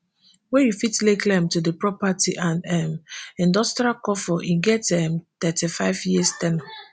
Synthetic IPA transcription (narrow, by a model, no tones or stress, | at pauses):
wɛ̃jufitleklɛ̃mtudepɹɔpatḭʔãnɛmĩndɔstɾialkɔfɔʔĩɡɛtɛmt̪ɛtifaɪvjistɛnɔ